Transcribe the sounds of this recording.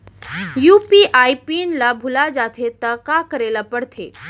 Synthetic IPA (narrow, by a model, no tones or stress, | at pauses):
jupiʔaipinlabʱulad͡ʒat̪ʰet̪akakəɾelapəɽt̪ʰe